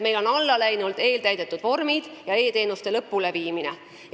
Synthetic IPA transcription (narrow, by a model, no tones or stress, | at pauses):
me̞jlo̞nɑlːɑlæjnuld̪̥e̞ːlt̪æjd̪e̞t̪ːˑud̪̥vo̞rmid̪̥jɑe̞ːt̪e̞ːnust̪e̞lɤpːule̞viːmine